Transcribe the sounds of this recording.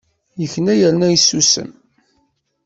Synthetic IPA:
jəçənæjəɾnæjsːusə̰m

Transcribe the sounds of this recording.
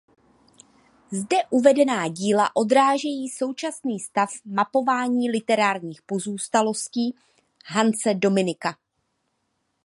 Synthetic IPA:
zdɛʔuvɛdɛnaːɟiːlaʔo̞dɾaːʒɛjiːso̞wt͡ʃasniːst̪afmapo̞vaːɲiːlɪt̪ɛɾaːɾɲiːxpo̞zuːst̪alo̞sciː | ɦant͡sɛdo̞mɪnɪka

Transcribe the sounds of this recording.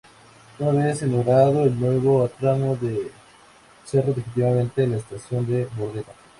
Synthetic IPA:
unaβesenoɣɾaðoelnwe̞βoat̪ɾanoðe | seroðifit̪̬iβamẽ̞nt̪elaest̪asjo̞nd̪eβoðeɾa

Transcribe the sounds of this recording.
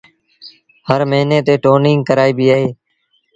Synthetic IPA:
həɾməɦiːneːt̪eːʈoːnɪ̃ŋɡkəɾaːiːbiːaːɦeː

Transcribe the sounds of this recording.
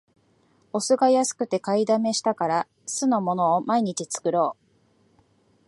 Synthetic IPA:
o̞sɨɡajasɨ̥kɯ̟t̪e̞kaid̪ame̞ɕi̥t̪akaɾa | sɨno̞mo̞no̞ːmaiɲ̟it͡ɕit͡sɨ̥kɯ̟ɾo̞ː

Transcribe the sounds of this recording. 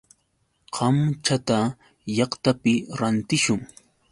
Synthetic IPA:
qʰɑmt͡ʃat̪a | jɑχt̪apɪɾant̪ɪʃʊŋ

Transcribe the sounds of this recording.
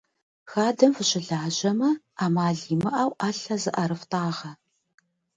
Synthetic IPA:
xaːdɐmfɨɕɪɮaːʑɐmɐ | aːmaːɮiːmɐʔaːwaːɬɐzɨʔɐɾɨftʰaːʁɐ

